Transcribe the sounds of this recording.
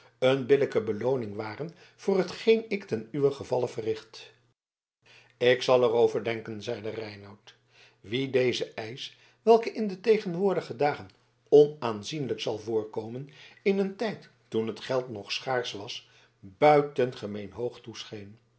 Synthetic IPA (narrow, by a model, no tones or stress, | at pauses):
ənbɪləkəbəlownɪŋʋaːrən | v̥ʊːrɦətχejnɪktɛnyʋəχəvɑləvərɪχt | ɪksɑlˠɛrowvəɹdɛŋkənzɛjdərɛjnɑwt | ʋidejzəʔɛjs | ʋɛlˠkəʔɪndətejχənʋʊːɹdəχədaːχən | ɔnaːnzinləksɑlˠvʊːɹkowmənɪnəntɛjtːunɦətχɛlˠtnɔχsχaːɹsʋɑs | bœɥtənχəmejnɦowχtusχejn